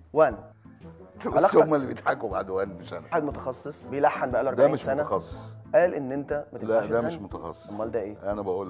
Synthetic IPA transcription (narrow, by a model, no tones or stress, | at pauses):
wæn | bælɑomːælːibejet̪ħakoba̰ʕd̪wænːmeʃʔænæħad̪mot̪ɑxɑsˤːesˤbejlaħːanbeʔælwʔɑɾˤb̪aæʕimeʃsænæxɑsˤːe̥sˤʔæːlʔenːʔent̪æmæt̪elæʃæmæeʃmot̪ɑxɑ̰sˤːe̥mːɑld̪æʔeːʔænæbæʔuːl